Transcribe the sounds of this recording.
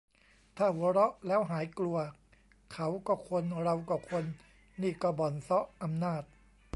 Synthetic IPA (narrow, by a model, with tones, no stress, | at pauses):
t̪ʰaː˥˩wu˨˩˦ɾɔ˦˥ʔlɛː˦˥wɦaː˩˦jklu˧ɐ | kʰa˦˥wkɔː˥˩kʰo˧nɾa˧wkɔː˧˥˩kʰo˧nː | iː˥˩kɔː˥˩bɔ˨˩nsɔ˦˥ʔʔa˧mnaː˥˩t̪̚